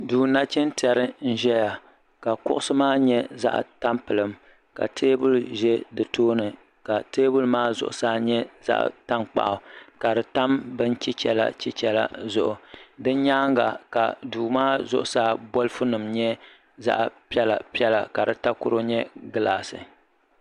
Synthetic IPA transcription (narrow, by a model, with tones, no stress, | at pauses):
duː˨na˦t͡ʃɪ˦n˦ti˨ɛ˨ɾɨ˦n̩˦ʒɛ˦ja˨ | ka˨kʊ̰˦ʔʊ˦sɨ˦maː˦ɲɛ˦za̰˦ʔta˦mpɨ˨lɨ˨m | ka̰˨tʰeː˦bʊ˦lʒɛ˦dɨ˨toː˦nɨ˨ | ka˨teː˦bʊ˦lmaː˦zʊ̰˨ʔʊ̰˨saː˦ɲɛ˦z̥a̰˦ʔta˦mk͡pa̰˨ʔʊ˨ka˨dɨ˨ta˦mbɨ˦n˦t͡ʃi˦t͡ʃɛ̰˦˨la̰˦t͡ʃi˦t͡ʃɛ˨la̰˦zʊ˦ʔʊ˨dɨ˦n˦ɲaː˦ŋɡa̰˨ka˨duː˨maː˦zʊ˦˨ʔʊ˨saː˦bo˦lɨ˦fʊ˦nɨ˨mɲɛ˦ | za̰˦ʔpi˦ɛ˦la̰˨pi˦ɛ˦la̰˨ka˨dɨ˨ta˦kʊ˦ɾo˦ɲɛ˦ɡɨ˨laː˨sɨ̰˨